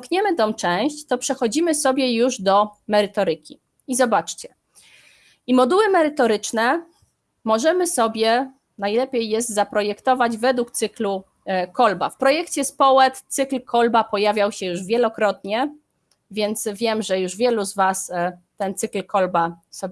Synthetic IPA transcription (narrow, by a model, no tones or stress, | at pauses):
kɲɛmɘt̪ɔmt͡ʂɛ̃w̃ɕt͡ɕt̪ɔpʂɛxɔd͡ʑimɘsɔbʲjɛjuʐd̪ɔmɛɾɘt̪ɔɾɘkʲi | izɔbat͡ʂt͡ɕɛ | imɔd̪uwɘmɛɾɘt̪ɔɾɘt͡ʂnɛ | mɔʐɛmɘsɔbʲjɛ | najlɛpʲjejːɛzd̪zapɾɔjɛkt̪ɔvad͡ʑvɛd̪wukt̪sɘklu | kɔlba̰fpɾɔjɛkt͡ɕɛspɔwɛt̪t̪sɘklkʰɔlbapɔjavʲjawɕɛjuʐvʲjɛlɔkɾɔt̪̚ɲɛ | vʲjɛnt̪svʲjɛmʐɛjuʐvʲjɛluzvast̪ɛnt̪sɘklkɔlbasɔbʲ